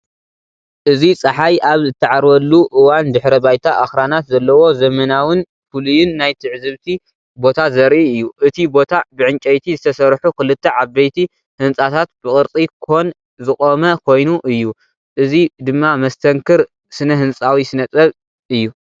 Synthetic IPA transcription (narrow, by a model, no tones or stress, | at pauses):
ʔɨzit͡sʼɐħajʔaβzɨt̪ʰːɐʕaɾwɐlːuʔɨwand̪ɨħɾɐbajt̪ʰaʔaxɾanat̪zɐlːɐwo̞zɐmɐnawɨn | fulujɪnːajt̪ʰɨʕzɨβt̪ʰi | bo̞t̪ʰazɐɾʔiɨjːuʔɨt̪ʰibo̞t̪ʰabɨʕɨnt͡ʃʼɐjt̪ʰizɨt̪ʰɐsɐɾħukʰɨlɨt̪ʰːɐʕaβːɐjt̪ʰi | hɨnt͡sʼat̪ʰat̪̚b̥ɨkʼɨɾt͡s̪ʼikʰon | zɨkʼomɐkʰo̞jnuʔɨjːu | ʔɨzid̪ɨmːamɐst̪ʰɐŋkʰɨɾ | sɨnɐɦɨnt͡sʼawisɨnɐt͡s̪ʼɐβ | ɨjːu